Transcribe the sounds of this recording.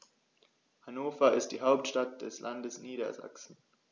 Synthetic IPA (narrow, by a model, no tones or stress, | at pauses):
hanoːfɐɪst̚d̥iːɦaʊptʃtat̚d̥ɛslʔandəsniːɾɐ̰za̰ksn̩